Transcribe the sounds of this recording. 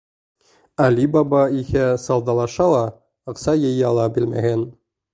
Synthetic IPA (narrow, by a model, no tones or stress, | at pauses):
ælʲibɑbɑihæsɑlˠd̪ɑlˠɑʃɑlˠɑ | ɤ̆qsɑjɤ̆jɘɑlˠɑbɘlmæ̰ɦɘn